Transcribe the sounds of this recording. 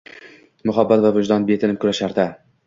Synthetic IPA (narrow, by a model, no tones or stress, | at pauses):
mʊɦabːat̪vavʊd͡ʒd̪ɒnbet̪ʰɪnɪmkʰʊɾaʃaɾd̪a